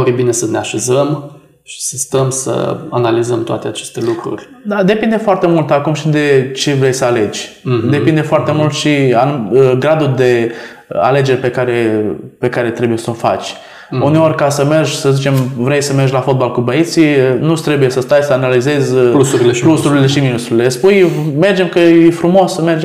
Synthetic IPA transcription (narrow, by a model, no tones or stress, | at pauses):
ofibine̞səneaʃe̞zəm | ʃi̥səst̪əmsə̰analizəmt̪oa̰t̪eat͡ʃe̞st̪e̞lukɾṵrʲ | d̪ad̪e̞pind̪e̞foart̪e̞mult̪akumʃid̪e̞t͡ʃe̞vɾe̞jsəale̞d͡ʒʲd̪e̞pind̪e̞foart̪e̞mult̪ʃiaɡɾad̪ud̪e̞ | a̰le̞d͡ʒe̞rʲpe̞kaɾe̞pe̞kaɾe̞t̪ɾe̞buje̞səofa̰t͡ʃʲ | une̞o̞rʲkasəme̞rʒsəzit͡ʃe̞mvɾejsəmerʒlafo̞t̪̚balkubəit̪siənut̪ɾebujesəst̪ajsəanalize̞zʲusuɾielusuɾileʃiminust̪ɾuɾile̞spujme̞rd͡ʒemkəjefɾumo̞sme̞rd͡ʒe